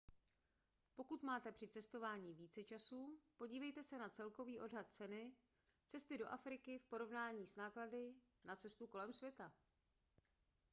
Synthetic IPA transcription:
po̞kut̪maːt̪ɛpr̝̥ɪt͡sɛst̪o̞vaːɲiːviːt͡sɛt͡ʃasuːpo̞ɟiːvɛjt̪ɛsɛnat͡sɛlko̞viːʔo̞dɦat̪̚t͡sɛnɪ | t͡sɛst̪ɪdo̞̰ʔafɾɪkɪfpo̞ɾo̞vnaːɲiːsnaːkladɪ | nat͡sɛst̪uko̞lɛmsvjɛt̪a

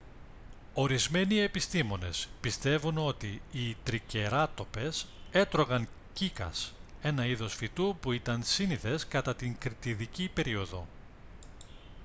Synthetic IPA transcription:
o̞ɾizme̞nie̞pist̪imo̞ne̞̰spist̪e̞vuno̞t̪iit̪ɾice̞ɾɐt̪o̞pe̞se̞t̪ɾo̞ɣɐŋ | cikɐ̰se̞nɐiðo̞sfit̪upuit̪ɐnsiniθe̞skɐt̪ɐt̪iŋkɾit̪iðicipe̞ɾio̞ðo̞

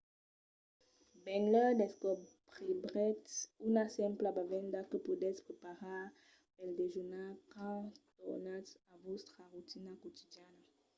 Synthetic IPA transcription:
bɛ̃ŋɡlɛd̪ɛskɔpʁebʁɛt̪ynasɛ̃mplabavɛ̃nd̪akəpudɛspχepaʁa | ɛld̪eʒunalkɑ̃t̪ɔnasavost̪χaʁut̪inakot̪id̪jan

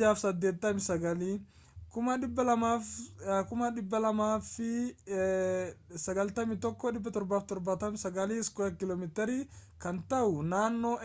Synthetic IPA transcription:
aːfsɐd̪ːe̞ːt̪ːɐmɪsɐɡɐliː | kʊmɐᶑɪbːɐlɐmaːkʊmɐᶑɪbːɐlɐmaːfɪ | sɐɡɐlt̪ɐmɪt̪ɔkːɔᶑɪbːɐt̪ɔɾbaːft̪ɔɾbɐt̪ɐmsɐɡɐliːskɔɐkɪloːmɪt̪ɛɾikɐnt̪ɐʔʊnaːnːo

